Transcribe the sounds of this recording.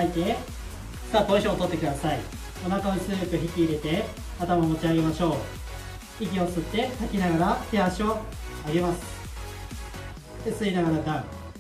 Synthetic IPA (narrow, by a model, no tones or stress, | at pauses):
ait̪e̞̥ | sak̪oiɕoot̪o̞t̪ːe̞kɯ̟d̪asai | onakaot͡sɨejokɯ̟çikʲiːɾe̞t̪e̞ | at̪amaomo̞t͡ɕiaɡe̞maɕo̞ː | iɡʲio̞t͡sɨt̪ːe̞sakʲinaɡaɾat̪eɦaɕioaɡe̞masɨ̥ | d̪̥esɨinaɡaɾad̪ãɰ̃